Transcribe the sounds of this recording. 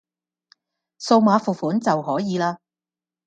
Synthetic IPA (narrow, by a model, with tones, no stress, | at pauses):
so˧wmaː˨˧˥fuː˨˩fuː˨˥nt͡sɐ˨wɦɔː˨˥jiː˨˧laː˧